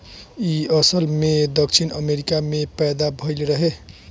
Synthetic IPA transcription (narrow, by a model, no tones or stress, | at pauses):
iʌsəlmed̪ʌk̚t͡ʃʰinʌmeɾikamepajd̪abʱʌjlɾʌɦe